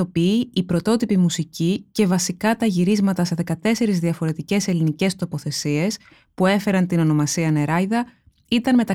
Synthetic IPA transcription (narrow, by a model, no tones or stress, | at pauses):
o̞piiipɾo̞t̪o̞t̪ipimusicice̞vɐsikɐt̪ɐʝiɾizmɐt̪ɐse̞ðe̞kɐt̪e̞se̞ɾizðiɐfo̞ɾe̞t̪ice̞se̞linice̞st̪o̞po̞θe̞sie̞s | pue̞fe̞ɾɐnt̪ino̞no̞mɐsiɐneɾɐjðɐ | it̪ɐnme̞t̪ɐ